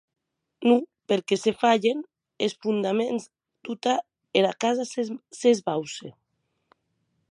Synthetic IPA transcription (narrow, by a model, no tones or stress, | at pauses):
nupeɾkesefaʎen | esfund̪amenz | d̪̥ut̪a | eɾakazasezβawse